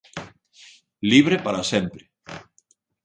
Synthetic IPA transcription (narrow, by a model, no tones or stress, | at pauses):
liβɾepaɾasempɾe